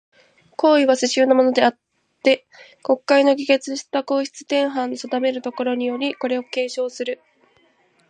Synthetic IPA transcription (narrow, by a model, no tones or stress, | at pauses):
ko̞ːiβaseɕɨːnomo̞no̞d̪e̞at̪ː | e̞ | ko̞kːaino̞ɡʲiɡe̞t͡sɨɕi̥t̪ako̞ːçi̥t͡sɨ̥t̪ẽ̞ɰ̃ɦãnːosad̪ame̞ɾɯ̟t̪o̞ko̞ɾo̞ɲ̟ijo̞ɾʲiko̞ɾe̞o̞ke̞ːɕo̞ːsɨɾɯ̟